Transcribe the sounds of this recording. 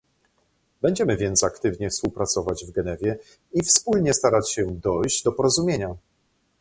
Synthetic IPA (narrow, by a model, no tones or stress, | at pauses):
bɛɲd͡ʑɛmɘvʲjɛnt̪sakt̪ɘvɲɛfspuwpɾat̪sɔvad͡ʑvɡɛnɛvʲjɛ | ifspulɲɛst̪aɾat͡ɕɕɛd̪ɔjʑd͡ʑd̪ɔpɔɾɔzumʲjeɲa